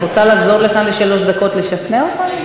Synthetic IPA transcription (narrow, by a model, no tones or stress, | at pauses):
ot͡salaχzo̞ʁleχanleʃalo̞ʃd̪ako̞tleʃatneaot̪an